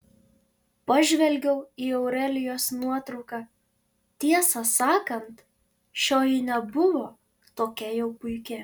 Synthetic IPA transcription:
pɐʒʲʋʲɛlʲɡʲɛʊiːɛʊɾɛlʲɪjoːsnuɔt̪ɾɒʊkɑː | t̪ʲiɛsɐsɑːkɐnt̪ | ʃʲoːjɪnʲɛbʊʋoː | t̪oːkʲɛjɛʊpʊɪkʲɪ

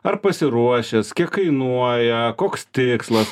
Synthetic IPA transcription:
ɐɾpɐsʲɪɾuɔʃʲɛskʲiɛkkɐɪnuɔjɛkoːkst̪ʲɪkslˠɐs

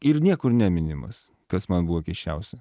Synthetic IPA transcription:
ɪɾnʲiɛkʊɾnʲɛmʲɪnʲɪmɐ̰s | kɐsmɐnbuʋokʲɛɪʃʲt͡ʃʲɛʊsʲɛ

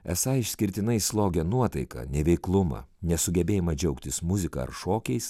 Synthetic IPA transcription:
ɛ̰sɐɪʃʲsʲkʲɪɾʲt̪ʲɪnɐɪslˠoːɡʲɛnuɔt̪ɐɪkɐ̰ːnʲɛʋʲɛɪklˠʊmɐ̰nʲɛsʊɡʲɛbʲeːjɪmɐd͡ʒʲɛʊkt̪ʲɪsmʊzʲɪkɐ̰ːɐ̰ɾʃoːkʲɛɪs

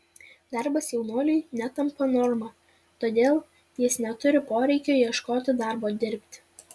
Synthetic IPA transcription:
d̪ɑɾbɐsjɛʊnuɔlʲʊɪnʲæt̪ɐmpɐnɔːɾmɐ | t̪oːd̪ʲeːlˠ | t̪ʲiːsnʲɛt̪ʊɾʲɪpoːɾʲɛɪkʲoːjiɛʃkoːt̪ʲɪd̪ɑˑɾboːd̪ʲɪɾʲpʲt̪ʲ

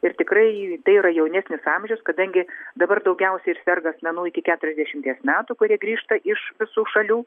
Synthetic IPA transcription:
ɪrt̪ʲɪkrɐɪt̪ɐɪiɾɐjɛʊnʲæːsʲnʲɪsɑmʲʒʲɛʊskɐd̪ɐŋʲɡʲɪd̪ɐbɐrd̪ɐʊɡʲɛʊsʲɛɪɪrsʲɛrɡɐsmʲɛnuːɪkʲɪkʲæːt̪ʊɾʲɛzd̪ʲæɛʃʲɪmt̪ʲiɛsmʲæːt̪ukʊɾʲiɛɡɾʲiːʃt̪ɐʔɪʃʋʲɪsuːʃɐlʲuː

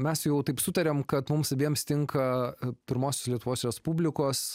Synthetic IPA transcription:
mʲɛsjɛʊt̪ɐɪpsʊt̪ɐɾʲɛmkɐt̪mʊmsɐbʲiɛmst̪ʲɪŋkɐpʲɪɾmoːsʲoːslʲiɛt̪ʊʋoːsɾʲɛspubʲlʲɪkoːs

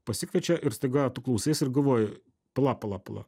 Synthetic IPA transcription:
pɐsʲɪkʋʲɛt͡ʃʲɛʔɪɾst̪ɐɪɡɑt̪ʊklˠɐʊsʲeːsɪrɡɐʋoːj | plˠɑːpɐlˠɑpɐlˠɑ̰

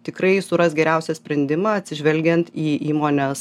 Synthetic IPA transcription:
t̪ʲɪkɾɐɪsʊɾɐsɡʲɛɾʲɛʊsʲɛsʲpʲɾʲɛnʲd̪ʲɪmɑːɐt̪ʲsʲɪʒʲʋʲɛlʲɡʲɛnt̪iːiːmoːnʲɛs

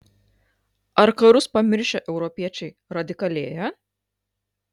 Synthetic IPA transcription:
ɐɾkɐɾʊspɐmʲɪɾʲʃʲɛʔɛʊɾɔpʲiɛt͡ʃʲɛɪ | ɾɐd̪ʲɪkɐlʲeːjɛ

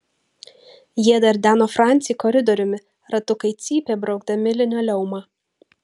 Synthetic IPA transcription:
jiɛd̪ɐɾʲd̪ʲæːnoːfɾɑˑnʲt̪sʲɪjkɔɾʲɪd̪ɔɾʲʊmʲɪ | ɾɐt̪ʊkɐɪt̪sʲiːpʲeːbɾɐʊɡd̪ɐmʲɪlʲɪnʲælʲɛʊmɑː

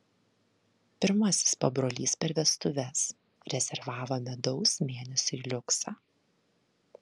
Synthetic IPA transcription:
pʲɪɾmɐˑsʲɪ̥spɐbɾoːlʲiːspʲɛɾʋʲɛst̪ʊʋʲɛs | ɾʲɛzʲɛɾʋɑːʋomʲɛd̪ɒʊsmʲeːnʲɛsʲʊilʲʊksɑː

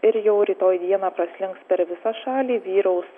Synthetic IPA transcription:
ɪɾjɛʊɾʲiːt̪oːjd̪ʲiɛnɑːpɾɐsʲlʲɪŋkspʲɛɾʋʲɪsɑːʃɑːlʲiːʋʲiːɾɐʊs

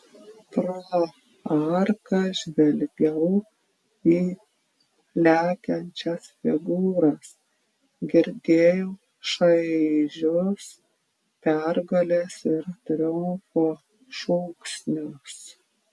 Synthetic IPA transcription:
pɾo | ɐɾkɐʒʲʋʲɛlʲɡʲɛʊ | iː | lʲæːkʲɛnʲt͡ʃʲɛsfʲɪɡuːɾɐs | ɡʲɪɾʲd̪ʲeːjoː | ʃɐɪʒʲʊs | pʲæɾɡɐlʲesɪɾt̪ʲɾʲɪʊmfoː | ʃoːksʲnʲʊs

